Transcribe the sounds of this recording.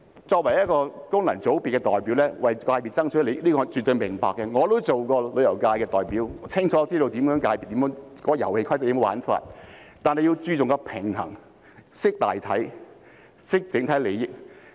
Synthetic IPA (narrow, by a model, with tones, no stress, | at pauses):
t͡sɔː˧k̚wɐ˨˩jɐ˥kɔː˧kʊ˥ŋlɐ˨˩nt͡so˨˥wpiː˨t̚kɛ˧t̪ɔː˨jpiː˨˥wlɛː˥wɐ˨jkaː˧jpi˨˩t̚t͡sɐ˥ŋt͡ʃʰɵ˨˥le˨˧jliː˥kɔː˧t͡ʃy˨t̪ːɵ˧ɥmɪ˨˩ŋpa̰ː˨kːɛ˧ŋɔː˨˧t̪o˥wt͡so˨wkɔː˧lɵ˨˧ɥjɐ˨˩wkaː˧jkɛː˧t̪ɔː˨˩jpiː˨˥wt͡sʰɪ˥ŋt͡ʃʰɔː˨˥t͡siː˥t̪o˧wt̪i˨˥mjœː˨˥ŋkaː˧jpi˨˩t̪i˨˥jœː˨˥ŋkɔː˧˥ɔ˧jɐ˨˩whe˧jkʰɐ˥jt͡sjiː˧˥m˨˧wa̰ː˨˥nfa̰˧t̚ | t̪aː˨nɦɐ˨ji˧wt͡ʃyː˧t͡sʊ˨ŋkɔː˧pʰɪ˨˩ŋhɐ̰˨˩ŋ | sɪ˥k̚t̪a̰ː˨jt̪ʰɐ˨˥j | sɪ˥k̚t͡sɪ˨˥ŋt̪ʰɐ˨˥jle˨˧jɪ˨˩k̚